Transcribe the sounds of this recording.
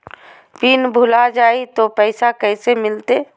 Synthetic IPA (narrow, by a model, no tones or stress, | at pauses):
pinbʱʊlad͡ʒaːit̪opɛɪsakɛːsemɪlt̪eː